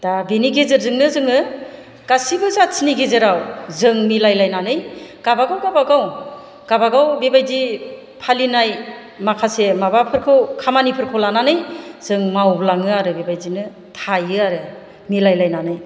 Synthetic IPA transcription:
d̥abeniɡezɯɾzɯŋnɯzɯŋɯ | ɡ̥asibɯzasʰiniɡezɯɾawzɯŋmilajlajnanɯjɡ̥abaɡawɡabaɡaw | ɡ̥abaɡawbebajdi | pʰalinaj | makʰasemabapʰɯɾkʰɯwkʰamanipʰɯɾkʰɯlananɯjz̥ɯŋmawblaŋɯaɾɯbebajzinɯ | tʰajɯaɾɯ | milajlajnanɯj

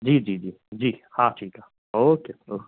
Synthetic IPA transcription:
d͡ʒiːd͡ʒiːd͡ʒiːd͡ʒiːhãːʈʰiːkɦaː | oːkeoː

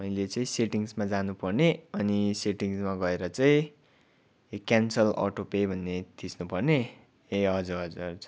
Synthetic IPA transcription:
mʌjlet͡sʌĩseʈiŋsmad͡zanupʌrneʌniseʈiŋsmaɡʌeɾʌt͡saĩ | kjansʌlɔ̰ʈopebʱʌnːet̪ʰisnupʌrne | eʌd͡zuʌd͡zur

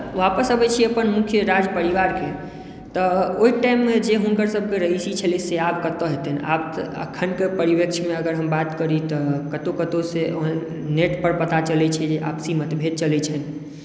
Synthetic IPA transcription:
ʋapəsɦəbɛt͡ʃʰiəpənmukʰjəɾad͡ʒpəɾiʋaɾke | t̪ɔoiʈaimːed͡ʒeɦunkəɾsəb̚ʱkeɾəɦisit͡ʃʰəliseapkət̪əɦet̪ɛna̰b̪ə̰kʰənkepəɾibjəkt͡ʃʰmeəɡəɾɦəmbat̪kəɾit̪ɔkət̪okət̪oseoɦən | neʈpəɾpət̪at͡ʃəlɛt͡ʃʰɛd͡ʒeʔa̰psimət̪bʱed̪̚t͡ʃəlɛt͡ʃʰɛn

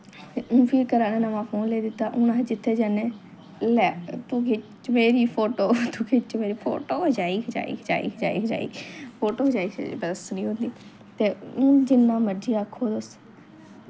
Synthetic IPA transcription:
ũːpʰiːɾkəɾaːnẽːnãmãːpʰoːnleːd̪ɪt̪aːʔʊnãd͡ʒɪt̪ʰːeːd͡ʒane | lɛt̪uːkʰɪt͡ʃt͡ʃmeːɾiːpʰoːʈoːt̪uːkʰɪt͡ʃmeːɾiːpʰo̰ːʈoːd͡ʒaːiːkd͡ʒa̰ːḭkd͡ʒa̰ːḭːd͡ʒa̰ːḭːd͡ʒa̰ːḭːpʰoːʈoːd͡ʒaːḭːbəsnĩːɦʊ̃nd̪iː | t̪eːũːd͡ʒɪnãːməɾd͡ʒiːaːkʰoːd̪ʊs

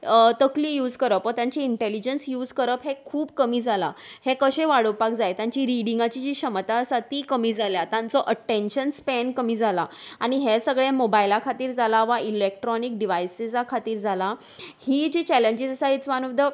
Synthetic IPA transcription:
t̪əklijuːd͡zkəɾəpːət̪jãɲt͡ɕiiɳʈelid͡ʑənsjuːd͡zkəɾəpɦekʰuːbkəmiːd͡zʱala̰hekəɕeʋaɽəʋpak̚d͡zajt̪jãɲt͡ɕiɾiɽiŋɡat͡ɕid͡ʑiːɕəmət̪aəsat̪iːkəmiːd͡zʱaljat̪ãnt͡sɔʔəʈːenɕənspɛnkəmiːd͡zʱalaaɽ̃iɦesəɡɭemobailakʰat̪iːɾd͡zʱalaʋailek̚ʈɾɔnik̚ɖiʋajsizakʰat̪iːɾd͡zʱala | hid͡ʑiːt͡ɕɛleɲd͡ʑid͡zəsaɦit͡sʋanəd̪ə

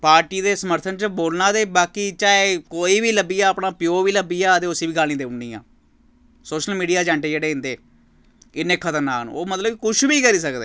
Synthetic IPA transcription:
paːɾʈiːd̪eːsəməɾt̪ʰənt͡ʃəboːlnaːd̪eːbaːkiːt͡ʃaːeːkoːiːʋiːləbiːaːəpnaːpɪjoːʋiːləbiːjaːət̪eːʊsiːʋiːɡaːlnĩːd̪eːʊɳɖiːjã̰ː | soːʃəlmiːɖijaːd͡ʒãːɳʈeːd͡ʒeːɽeːɪ̃nd̪eː | ɪnekʰət̪əɾnaːkn̰ːoːmət̪ləbkʊʃʰbiːkəɾiːsəkd̪ḛː

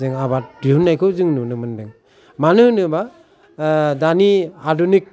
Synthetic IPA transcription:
ɯŋabat̚diɦunːajkʰɯwzɯŋnunɯmɯndɯŋ | manɯnɯba | daniadunik̚

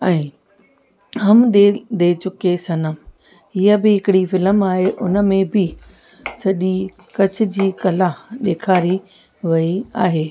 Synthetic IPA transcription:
ɛ̃ː | ɦɐmd̪ed̪eːt͡ɕʊkesɐnəm | ɦɪɦəbɪɦɪkɪɽifɪləmaːɦeʔʊnə̆mẽbɪ | sɐʄi | kɐt͡ɕʰɪ̆d͡ʑiːkɐlaɗeːkʰaːɾi | ʋɐiaːɦeː

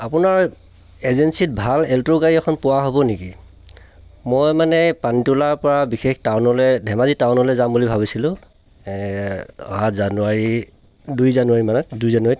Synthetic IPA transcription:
apʊnaɹ | ezensit̚bʱalɛltokaɹiɛkʰɔnpʊwaɦobɔniki | mɔjmanɛpanitulaɹpɔɹabixʰextawnɔlɛdʱɛmazitawnɔlɛzambulibʱaβisilʊ̃ | ɔ̰ɦatzanuaɹi | dujzanuaɹimanɛdujzanuaɹi

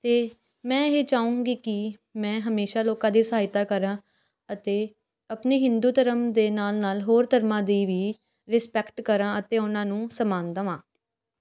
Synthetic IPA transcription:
t̪eː | mɛ̃ːɦeːt͡ʃaːũːŋɡiːkɪ | mɛ̃ːɦəmeːʃaːloːkãːd̪iːsəɦaːɪt̪aːkəɾãː | ət̪eː | əpneːɦɪnd̪uːt̪əɾəmd̪eːnaːlnaːlɦoːɾt̪əɾmãːd̪iːʋiː | ɾɪspɛkʈkəɾãːət̪eːʊnãːnũːsəmãːnd̪əʋãː

